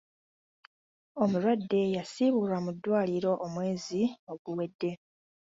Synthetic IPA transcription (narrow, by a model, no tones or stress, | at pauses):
o̞muɾwadːe̞jasiβulamudːwaːliɾo̞ʔomwe̞ːzio̞ɡuwe̞dːe̞